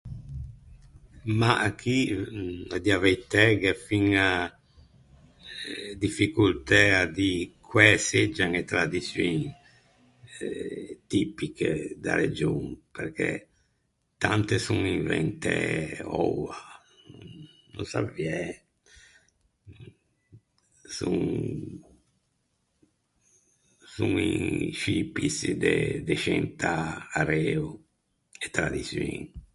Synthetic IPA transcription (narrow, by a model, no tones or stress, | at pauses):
maʔakʰːi | ad̪iavejt̪ɛɡefiŋa | d̪ifikult̪ɛad̪ikʰwɛsed͡ʒaŋet̪ɾad̪isjuŋ | t̪ipikḛd̪a̰ɾed͡ʒuŋpɛɾkʰɛ̰ | t̪ant̪esuŋiɱvɛnt̪eɔa | nusaviɛ | suŋ | suŋiʃipisd̪ed̪eʃɛnt̪aaɾɛːu | et̪ɾad̪isiŋ